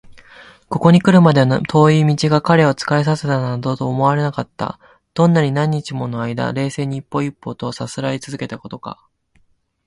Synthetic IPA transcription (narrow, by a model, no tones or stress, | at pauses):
ko̞ko̞ɲ̟ikɯ̟ɾɯ̟mad̪e̞nt̪ʰo̞ːiːmʲit͡ɕiɡakaɾe̞o̞t͡sɨ̥kaes̬ase̞t̪anad̪o̞t̪o̞ːmo̞βaɾe̞nakat̪ːa̰ | d̪̥õ̞nːaɲ̟inãɲ̟ːit͡ɕimo̞no̞aid̪a̰ɾe̞ːse̞ːɲ̟iːpːo̞ipːo̞ːt̪o̞sasɨɾait͡sɨzɨke̞t̪ako̞t̪o̞ka̰